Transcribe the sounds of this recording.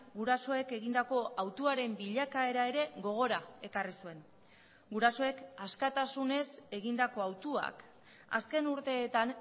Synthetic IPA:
ɡuɾaso̞e̞ke̞ɣind̪ako̞ʔawt̪uaɾe̞mbiʎakae̞ɾae̞ɾe̞ɣo̞ɣ̞o̞ɾae̞karisue̞n | ɡuɾaso̞e̞kaskat̪asune̞se̞ɣind̪ako̞awt̪ua̰k | a̰ske̞nuɾt̪e̞ːt̪an

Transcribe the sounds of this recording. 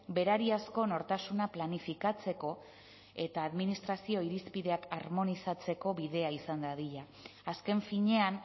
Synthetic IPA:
be̞ɾaɾiasko̞no̞ɾt̪asunaplanifikat͡se̞ko̞ | e̞t̪aːðminist̪ɾasio̞iɾispiðe̞akaɾmo̞nisat͡se̞ko̞βiðe̞aisand̪aðiʎaː | ske̞ɱfiɲe̞an

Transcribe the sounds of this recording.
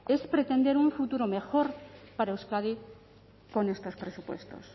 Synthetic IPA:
espɾet̪e̞nd̪eɾuɱfut̪uɾomexoɾpaɾaewskaði | ko̞nest̪o̞spɾesupwḛst̪o̰s

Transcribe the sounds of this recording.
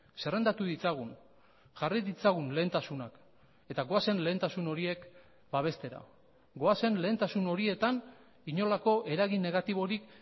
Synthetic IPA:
se̞re̞nd̪at̪uðit͡saɣ̞un | ʝariðit͡saɣunle̞ːnt̪asunak | e̞t̪aɣo̞ase̞nle̞ːnt̪asuno̞ɾie̞k | baβ̞e̞st̪e̞ɾa̰ | ɡo̞ase̞nle̞ːnt̪asuno̞ɾie̞t̪an | iɲo̞lako̞ʔe̞ɾaɣinːe̞ɣ̞at̪iβ̞o̞ɾik

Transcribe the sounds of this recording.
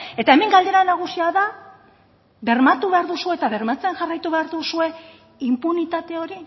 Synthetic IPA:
e̞t̪ae̞me̞ŋɡald̪e̞ɾanaɣ̞usiaða | βe̞ɾmat̪uβe̞aɾðusue̞t̪aβe̞rmat͡se̞ŋʝarajt̪uβe̞aɾðusue̞ | impunit̪at̪e̞o̞ɾi

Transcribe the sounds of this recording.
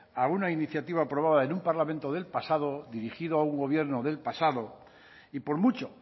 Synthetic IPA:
aunainiθjat̪iβ̞aːpɾo̞βaðaenũmpaɾlament̪o̞ðe̞lpasaðo̞ðiɾixiðoauŋɡo̞βje̞ɾno̞ðe̞lpasaðo̞ | ipo̞ɾmut͡ʃo̞

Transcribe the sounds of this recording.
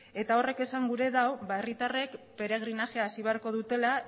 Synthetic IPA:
e̞t̪ao̞re̞ke̞saŋɡuɾe̞ðawβaerit̪are̞kpe̞ɾe̞ɣ̞ɾinaʝeaːsiβ̞e̞aɾko̞ð̞ut̪e̞la

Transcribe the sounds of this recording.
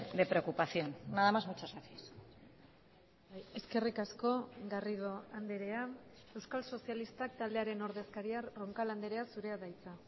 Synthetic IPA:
ðepɾe̞okupaθjo̞nːaðamazmut͡ʃazɣaθies | je̞ske̞rikasko̞ɣariðoand̪e̞ɾe̞a | e̞wskalso̞sialist̪ak̚t̪ald̪e̞aɾe̞no̞ɾðe̞skaɾiaro̞ŋkaland̪eɾe̞asuɾe̞aðajt͡sa

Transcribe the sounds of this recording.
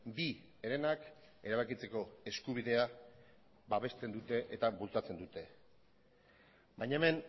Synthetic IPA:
bi | eɾe̞nak | e̞ɾaβ̞akit͡se̞ko̞e̞skuβ̞iðe̞a | baβe̞st̪e̞nd̪ut̪e̞ʔet̪aβult͡sat͡se̞nd̪ut̪e̞ | bajɲaeme̞n

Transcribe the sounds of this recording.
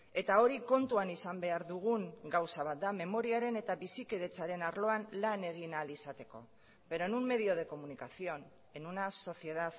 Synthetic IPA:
e̞t̪ao̞ɾiko̞nt̪uanisambe̞aɾðuɣ̞uŋɡawsaβ̞at̪̚d̪ame̞mo̞ɾiaɾe̞ne̞t̪aβisike̞ðe̞t͡saɾe̞naɾlo̞anlane̞ɣ̞inalisat̪e̞ko̞̰ | βe̞ɾonummːe̞ð̞io̞ð̞e̞ko̞munikasio̞n | e̞nunaso̞θje̞ðað

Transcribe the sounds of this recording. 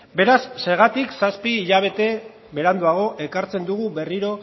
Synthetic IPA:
be̞ɾasːe̞ɾɣ̞at̪iksaspiːʎaβ̞e̞t̪e̞ | βe̞ɾand̪uaɣ̞o̞ʔe̞kaɾt͡se̞nd̪uɣuβe̞riɾo̞

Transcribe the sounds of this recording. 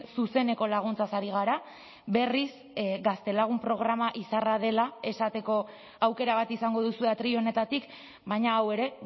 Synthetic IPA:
suse̞ne̞ko̞laɣ̞unt͡sasaɾiɣ̞aɾa | be̞ris | ɡast̪e̞laɣ̞umpɾo̞ɣ̞ɾamaʔisarað̞e̞lae̞sat̪e̞ko̞ | awke̞ɾaβ̞at̪isaŋɡo̞ð̞usue̞at̪ɾio̞ne̞t̪at̪ik | bajɲaːwe̞ɾe̞

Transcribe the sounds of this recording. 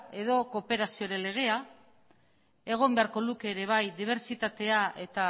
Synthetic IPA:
e̞ðo̞ko̞pe̞ɾasio̞ɾe̞le̞ɣ̞e̞a | e̞ɣ̞o̞mbe̞aɾko̞luke̞ːɾe̞β̞ajd̪iβ̞e̞ɾsit̪at̪e̞aʔe̞t̪a

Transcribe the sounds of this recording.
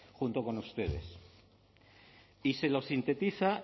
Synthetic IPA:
xunt̪oko̞nust̪e̞ðe̞̰s | ise̞lo̞sint̪e̞t̪iθa

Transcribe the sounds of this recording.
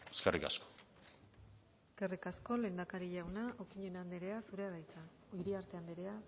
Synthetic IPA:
eskḛrḭka̰sko̥ | eske̞rikasko̞le̞ːnd̪akaɾiʎawnaʔokiɲe̞nand̪eɾe̞asuɾe̞aɾajt͡sa | iɾiaɾt̪e̞and̪eɾe̞a

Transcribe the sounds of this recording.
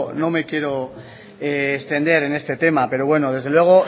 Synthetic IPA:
no̞me̞kje̞ɾo | eːst̪e̞nd̪eɾe̞ne̞st̪e̞t̪e̞mape̞ɾo̞βwe̞noðe̞zð̞elwe̞ɣ̞o̞

